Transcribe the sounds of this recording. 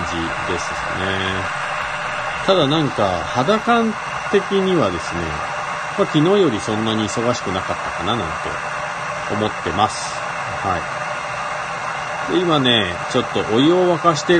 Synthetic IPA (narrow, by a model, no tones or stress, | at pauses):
d͡ʑi | d̪e̞sɨɨ̰ne̞ | t̪ad̪anãŋkahad̪akãn | t̪e̞kʲiɲ̟iβad̪e̞sɨne̞̰ | makʲino̞ːjo̞ɾʲisõ̞nːaɲ̟iːso̞ɡaɕi̥kɯ̟nakat̪ːakananãnt̪e̞̰ | o̰mo̞t̪ːe̞masɨ̥ | hai | d̪̥e̞imane̞ | t͡ɕo̞t̪ːo̞ʔojioβakaɕi̥t̪e̞